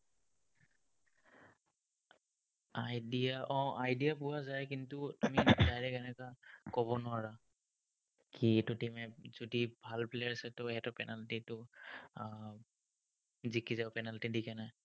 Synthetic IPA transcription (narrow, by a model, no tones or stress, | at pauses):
ajdiaʔɔ̃ʔajdijapʊwazajkintʊtumizajlɛkɛnɛkakɔβɔnʊwaɹa | kitʊtimɛzodibʱalpleasɛtʊɛtɔpɛnaltitʊ | zikizapɛnaltidikɛnaj